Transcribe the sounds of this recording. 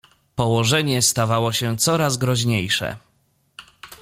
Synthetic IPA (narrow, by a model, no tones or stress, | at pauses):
pɔwɔʐɛɲɛst̪avawɔɕɛt̪sɔɾazɡɾɔʑɲejʂɛ̰